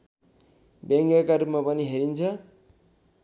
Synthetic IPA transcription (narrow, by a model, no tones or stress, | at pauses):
beŋɡakaɾupmapʌniɦeɾint͡sʰʌ